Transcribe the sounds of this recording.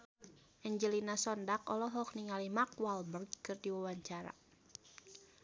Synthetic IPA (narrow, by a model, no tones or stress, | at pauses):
ʔɛɲd͡ʒəlinasɔndakɔlɔɦɔk̚niŋalimakwalbərɡkɨrdiwawaɲt͡ʃaɾa̰